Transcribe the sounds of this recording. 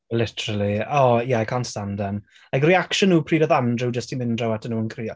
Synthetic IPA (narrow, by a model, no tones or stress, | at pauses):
lɪtʰəɾəlˠiɔːjɛakʰɔnstamdan | lajkriakʃənːuːpʰriːdɔðandrɪwd͡ʒəstʰimɪndrɔwatənuːənkʰriɔ